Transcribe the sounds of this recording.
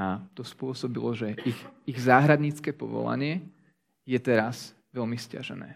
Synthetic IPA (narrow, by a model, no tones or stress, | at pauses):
at̪ɔspʊɔsɔbilɔʒɛixiɣzaːɦɾad̪ɲiːt͡skɛːpɔ̰ʋɔ̰la̰ɲɪɛ | jɛt̪ɛɾaz | ʋɛlmisca̰ʒɛnɛ̰ː